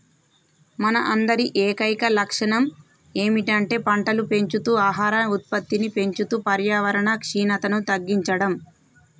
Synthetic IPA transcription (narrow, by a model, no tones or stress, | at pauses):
mɐnɐʔɐnd̪ɐɾiʔeːkɐjkɐlɐkʂɐɳɐm | eːmiʈɐɳʈe̞ːpɐɳʈɐlupe̞ɲt͡ʃut̪uːaːɦaːɾɐut̪̚pɐt̪ːinipe̞ɲt͡ʃut̪uːpɐɾjaːʋɐɾɐɳɐkʂiːnɐt̪ɐnut̪ɐɡːiɲt͡ʃɐɽɐm